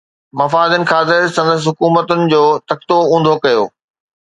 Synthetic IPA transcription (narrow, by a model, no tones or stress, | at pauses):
mɐfaːd̪ənɪ̆xaːzɪɾsɐ̃nd̪əs̬ɦʊkuːmət̪ʊnɪ̆d͡ʑoːt̪ɐk̚t̪oũːn̆d̪ʱokɐjo̰ː